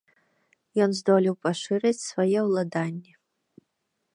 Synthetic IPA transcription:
jɔnzd̪ɔlʲiwpɐʂɨɾɨt͡sʲsvajɛwlˠad̪anʲːɛ

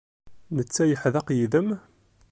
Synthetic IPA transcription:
nət͡sːæjəħðæqjiðəm

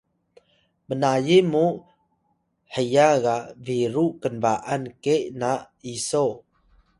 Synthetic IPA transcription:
bənajemu | ħəjaɣaviɾuʔkənbaʔankeʔnaʔ | iso

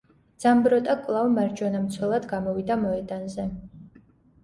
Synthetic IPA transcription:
d̪z̥ambɾɔt̪ʼakʼlˠavmaɾd͡ʒɔnamt̪sʰwɛlˠad̪ɡamɔvid̪amɔɛd̪anzɛ

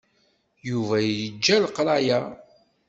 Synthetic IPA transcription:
juvæjəd͡ʒːælqɾˤɑjæ

